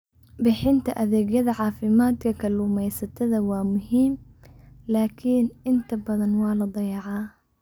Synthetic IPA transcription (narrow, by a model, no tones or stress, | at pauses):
bɪħɪnt̪aʔaðeɡjad̪aʕaːfimaːt̪kakalumajsat̪aðawaːmʊhiːm | laːkinʔɪnt̪abad̪ɑnwaːlɑd̪ˤɑjɑʕa